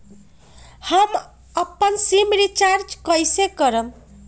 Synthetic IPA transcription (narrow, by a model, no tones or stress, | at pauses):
ham | əpːənsimɾit͡ʃaɾd͡ʒkʌjsekʌɾəm